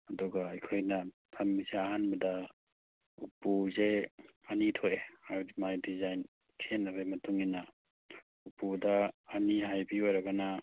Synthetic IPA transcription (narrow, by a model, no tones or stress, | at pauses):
ɐdɔɡaːjkʰojnɐ | tʰamːizeaɦanbɐda | upuzeɐnitʰojeadimajdizajn | kʰenabemɐtuŋina | upudaːniɦajbiwaɾaɡana